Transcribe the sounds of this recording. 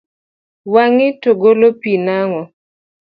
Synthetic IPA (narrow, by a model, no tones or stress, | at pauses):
waŋɪtoɡolopinaŋɔ